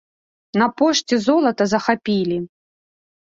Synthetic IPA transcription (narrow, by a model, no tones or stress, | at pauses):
nɐpɔʂt͡sʲizɔlˠɐt̪ɐzɐxapʲilʲi